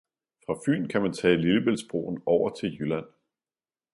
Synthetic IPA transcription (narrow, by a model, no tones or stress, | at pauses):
fʁɑ̈fy̰ːnkʰæmænt͡sʰɛ̰ːliləb̥elsb̥ʁo̝̰ːn̩ɒʊ̰ɐt͡sʰe̝ljølæn̰